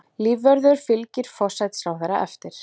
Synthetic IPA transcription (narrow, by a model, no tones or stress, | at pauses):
liːvːœɾðʏɾ̥fɪlcɪɾ̥fɔ̥sajt̪slawvɛɾa̰ʔɛ̰ft̪ɪɾ̥